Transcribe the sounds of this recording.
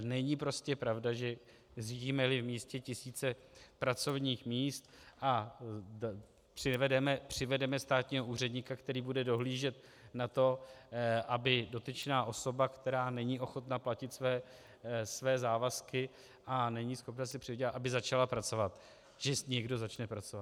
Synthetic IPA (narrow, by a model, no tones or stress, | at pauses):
nɛɲɪpɾo̞scɛpɾavdaʒɛ | ziɟiːmɛlɪvmiːscɛcɪsiːt͡sɛpɾat͡so̞vɲiːxmiːst̪ʔa | pr̥ɪvɛdɛmɛpr̝̥ɪvɛdɛmɛst̪aːt̪ɲiːɦo̞ʔuːrɛdɲɪkakt̪ɛɾiːbudɛdo̞ɦliːʒɛt̪ | nat̪o̞ | ʔabɪdo̞t̪ɪt͡ʃnaːʔo̞so̞bakt̪ɛɾaːnɛɲiʔo̞xo̞t̪naplacɪt̪svɛː | svɛːzaːvaskɪ | ʔanɛɲɪsxo̞pnasɪpr̥ɪvɟaʔabɪzat͡ʃalapɾat͡so̞vat̪ | ʒ̥ɛɲɛɡdo̞zat͡ʃnɛpɾat͡sovat̪